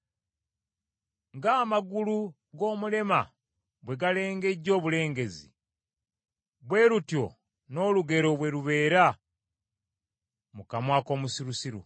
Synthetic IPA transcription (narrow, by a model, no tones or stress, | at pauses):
ŋɡaːmaɡulu | ɡo̞ːmule̞ma̰ | βwe̞ɡale̞ːŋɡe̞ɟːo̞ːβule̞ːŋɡe̞zḭ | βwe̞ːlutjo̞̰ | no̞ːluɡe̞ɾo̞βwe̞ɾuβe̞ːɾa | mukamwaːko̞ːmusiɾusiɾṵ